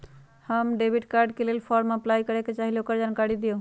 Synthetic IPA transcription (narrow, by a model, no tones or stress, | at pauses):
həmɖebʱiʈkaɾɖkelelpʰɔɾməplajkəɾeket͡ʃaɦilokəɾd͡ʒankaɾid̪ijo